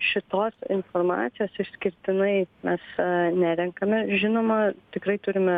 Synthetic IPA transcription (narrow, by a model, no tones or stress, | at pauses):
ʃʲɪt̪oːsɪnformɑ̰ːt̪sʲɪjoːsɪʃsʲkʲɪɾʲt̪ʲɪnɐɪmʲɛsnʲæːɾʲɛŋkɐmʲɛʒʲɪnoːmɐt̪ʲɪkɾɐɪt̪ʊɾʲɪmʲɛ